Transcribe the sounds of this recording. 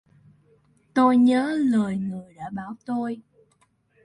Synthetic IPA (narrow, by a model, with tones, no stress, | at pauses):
t̪o˧jɲəː˨˦ləː˨˩jŋɨ˨˩əjɗa̰ː˧˥ɓaː˧˩˦wt̪o˧j